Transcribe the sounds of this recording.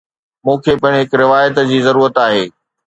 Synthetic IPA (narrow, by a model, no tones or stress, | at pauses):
mũːkʰepɐɪ̃ɽ̃ɦɪkɾɪʋaːjət̪d͡ʑiːzɐɾuːɾət̪aːɦeː